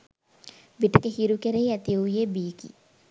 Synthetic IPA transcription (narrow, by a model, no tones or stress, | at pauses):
biʈəkehiɾukeɾeiæt̪iujebiːkḭ